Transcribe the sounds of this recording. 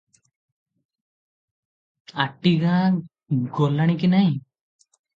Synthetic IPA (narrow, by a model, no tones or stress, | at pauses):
aʈiɡa | ɡɔlaɽ̃ik̬inaj